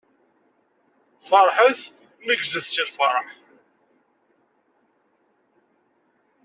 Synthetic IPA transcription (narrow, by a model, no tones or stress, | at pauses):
fəɾˤħəθ | məɡzəθsilfɑ̰ɾˤəħ